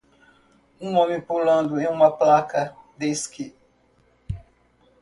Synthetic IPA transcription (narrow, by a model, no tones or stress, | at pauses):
ũmõmĩpulɐ̃nd̪ʊẽj̃ũmɐplakɐd̪eskɪ